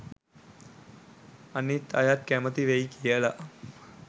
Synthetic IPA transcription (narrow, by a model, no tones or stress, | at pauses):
anit̪ːajat̪̚kæmət̪iʋejkijəlaʔ